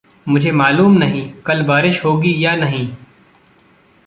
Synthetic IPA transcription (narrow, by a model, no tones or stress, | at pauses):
mʊd͡ʒʱemaːluːmnɐɦĩːkɐlbaːɾɪʃɦoːɡijaːnɐɦĩː